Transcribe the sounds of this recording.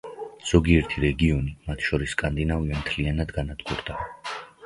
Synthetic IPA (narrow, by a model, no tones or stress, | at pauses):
z̥ɔɡiɛɾt̪ʰiɾɛɡiɔnimat̪ʰʃɔɾiskʼand̪inaviammt̪ʰlianad̪ɡanad̪ɡ̥uɾd̪a